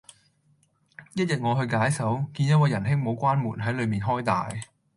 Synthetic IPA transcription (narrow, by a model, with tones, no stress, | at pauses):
jɐ˥t̚jɐ˨t̚ŋɔː˨˧ɦɵ˧ɥkaː˨˥jsɐ˨˥wkiː˧njɐ˥t̚wɐ˨˧jɐ˨˩nɦɪ˥ŋmo˨˧wkʷaː˥nmuː˨˩nɦɐ˨˥jlɵ˨˧ɥmiː˨nɦɔː˥jt̪a̰ː˨j